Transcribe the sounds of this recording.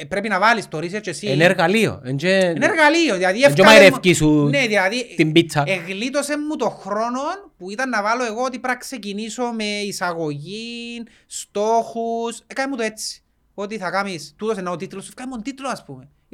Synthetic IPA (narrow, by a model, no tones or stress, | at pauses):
pɾepinɐvalist̪oɾis̬eɾt͡ʃesieneɾɣalio̰end͡ʒeeneɾɣalioðilaðiefd͡ʒemaiɾefkisuneðilaðit̪imbit͡sːɐeɣlit̪o̞se̞mːut̪o̞xɾo̞no̞npuit̪ɐnːɐvaloeɣoot̪̬ipɾɐkse̞ciniso̞me̞isaɣo̞ʝin | st̪oxusekanimut̪oet͡sːi̥ | o̞t̪iθɐkamist̪ut̪os̬enaot̪it̪losefkaimunt̪it̪uloaspume